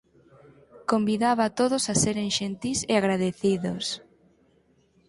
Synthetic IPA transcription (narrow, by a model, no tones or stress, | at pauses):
kombiðaβat̪oðosaseɾeŋʃent̪iseaɣɾaðeθiðos